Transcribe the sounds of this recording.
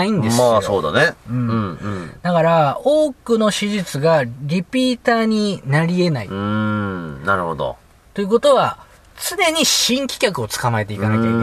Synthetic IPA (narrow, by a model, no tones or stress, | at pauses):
aĩnd̪e̞sasoːd̪a̰neɯ̟̃ɴd̪akaɾao̞ːkɯ̟no̞ɕiʑit͡sɨɡaɾʲipʲiːt̪aːɲ̟inaɾʲie̞naḭ | naɾɯ̟ho̞d̪o̰ | t̪o̞jiɯ̟ko̞t̪o̞βa | t͡sɨne̞ɲ̟iɕĩŋkʲi̥kʲakɯ̟o̞t͡sɨ̥kamae̞t̪e̞ikanakʲaik